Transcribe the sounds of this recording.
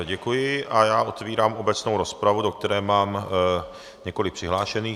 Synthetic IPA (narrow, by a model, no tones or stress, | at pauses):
ɟɛkujɪʔajaːʔo̞t̪viːɾaːmo̞bɛt͡snowɾo̞spɾavudok̚t̪ɛɾɛːmaːm | ɲɛko̞lɪk̚pr̝̥ɪɦlaːʃɛniː